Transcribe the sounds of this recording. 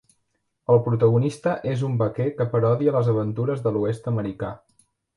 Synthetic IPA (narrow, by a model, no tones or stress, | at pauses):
əlˠpɾut̪əɣunist̪əʔezumbəkɛkəpəɾɔðiələzəβ̞ənt̪uɾəzðəluest̪əməɾika